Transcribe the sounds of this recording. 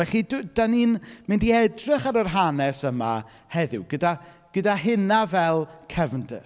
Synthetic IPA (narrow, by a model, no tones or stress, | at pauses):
ɛɬidd̥aninmɪndiɛdrɪχaɾərɦanɛsəma̰ | hɛðɪwɡəda | ɡ̥ədaɦɪnavɛlˠkʰɛvndə̰